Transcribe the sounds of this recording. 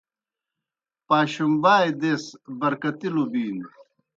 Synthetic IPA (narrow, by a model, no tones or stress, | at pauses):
paːɕumbaːjd̪esbɐɾkɐt̪ilubiːn